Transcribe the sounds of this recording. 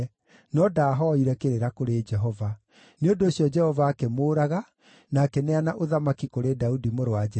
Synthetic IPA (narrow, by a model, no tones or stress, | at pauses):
nɔdaːɦɔiɾɛkeɾeɾakoɾed͡ʒɛɦɔva | neondoːɕjɔd͡ʒɛhɔvaːkɛmoːɾaɣa | nakɛneanaʔoðamakikoɾedaudimoɾoad͡ʒɛ